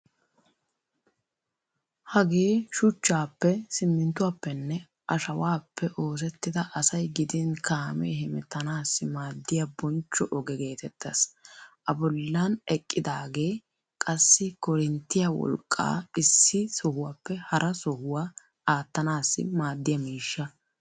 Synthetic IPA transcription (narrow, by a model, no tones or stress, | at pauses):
hɐɡe̞ːʃʊt͡ʃːaːpːɛsɪmːɪnt̪ːʊwaːpːɛnːɛ | ʔɐʃɐwaːpʰːɛʔo̞ːs̬ɛt̪ːɪd̪ɐʔɐsɐjɡɪd̪ɪnkaːmeːɦɪmɪt̪ːɐnaːsːɪmaːd̪ːɪjabɔnt͡ʃːɔʔɔɡɛɡe̞ːt̪ɛt̪ːɐsʔɐbɔlːanɛkʼːɪd̪aːɡe̞ː | kʼɐsːɪkɔɾɪnt̪ːɪjawɔ̰lkʼːa̰ːɪsːɪsɔhʊwaːpːɛhɐɾʔɐsɔhʊwaː | aːt̪ːɐnaːsːɪ̰maːd̪ːɪjɐmiːʃːɐ